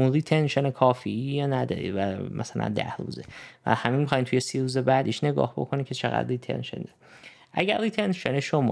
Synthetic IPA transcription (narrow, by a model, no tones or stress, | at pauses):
unɾiːt̪ʰenʃenekʰɒːfiijɒːnæd̪ɒ̰ːɾḭd̪væmʔæsælʔæ̰nd̪æhɾṵːzevæ̰hæmiːnmixːjimtʰujesiːɾuːzebæd̪ʔiʃne̞ɡɒ̰ːhbo̞̰kʰonimcʰet͡ʃʰeɣæ̰d̪riːt̪ʰḛnʃen̰d̪ɒɾ | ʔæɟæɾːiːt̪ʰenʃeneʃomɒ